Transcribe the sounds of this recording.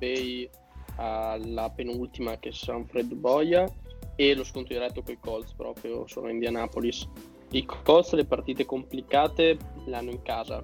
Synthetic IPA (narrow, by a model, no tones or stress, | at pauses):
bɛj | alapenult̪imak̟esaɱfɾɛd̪bɔjaeloskont̪ɾod̪iɾɛt̪ːokoikɔlspɾɔ̰ːpɾjo̰so̰ːno̰end̪ianaːpolis | ikkɔlslepart̪iːt̪ekomplikaːt̪eleanːoiŋkaːza̰